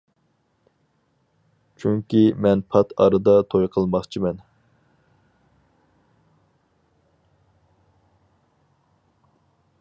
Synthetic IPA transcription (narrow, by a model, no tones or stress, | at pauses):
t͡ʃʰyŋkʲimɛnpʰɑt̪ʰɑ̰ɾɨd̪ɑt̪ʰojqʰəlˠmɑχt͡ʃʰimɛn